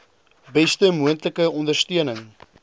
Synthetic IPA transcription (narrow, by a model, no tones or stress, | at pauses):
bɛstəmuəntləkəɔndərstyənəŋ